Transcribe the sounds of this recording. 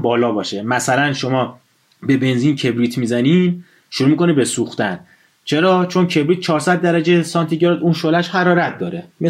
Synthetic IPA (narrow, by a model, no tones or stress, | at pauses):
bɒːlɒːbɒːʃemæsælænʃo̞mɒː | be̞be̞nziːncʰe̞bɾiːt̪ʰmizænin | ʃuɾuːmikʰo̞nibe̞suxt̪æn | t͡ʃʰe̞ɾɒːt͡ʃʰo̞ncʰe̞bɾiːt̪̚t͡ʃʰɒːɾsæd̪̚ːæɾæd͡ʒesɒnt̪ʰiɟɾɒd̪uːnʃolæʃhæɾɒːɾæt̪̚ʰd̪ɒːɾeme